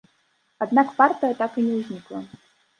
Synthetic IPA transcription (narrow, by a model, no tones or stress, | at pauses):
ad̪nakpart̪ɨjɐt̪akɨnʲɛwzʲnʲiklˠɐ̰